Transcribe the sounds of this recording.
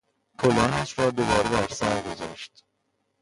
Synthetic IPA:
kʰolɒːnæʃrɒːd̪obɒːɾed̪æɾsæɾɡo̞zɒ̰ːʃt̪

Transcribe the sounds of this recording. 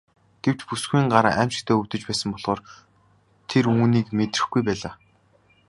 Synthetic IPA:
ɡ̥ew̥t͡ɕpusɡuiːŋɢaɾa̰ːʔæm̥t͡ɕɪ̥̆kt̪ʰæːɵwt̪ɵ̆t͡ɕpæːsə̆mpɔɮ̥ʁoːr | t̪ʰeruːniːkmet̪rɘ̆xɡujpæːɮaː

